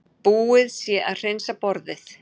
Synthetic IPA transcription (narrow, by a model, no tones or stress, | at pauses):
puːɪðsjɛʔaðr̥ensapɔɾðɪθ